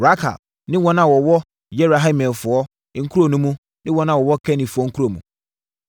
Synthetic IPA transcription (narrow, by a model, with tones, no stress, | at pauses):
ɾa˦kʰa̰˨b̚ | nɪ̃˦wɔ̃˦nã˨wɔ˨wɔ˦ | jɛ˦bɾa˨ɦĩ˦mɛ̃˨fʊ˨ɔ˦ | ŋ̩˦kʰu˦ɾo˨nũ˦mũ˦ | nɪ̃˦wɔ̃˦nã˨wɔ˨wɔ˦kʰɛ˦nĩ˨fʊ˨ɔ˦ŋ̩˦kʰu˦ɾo˨mũ˨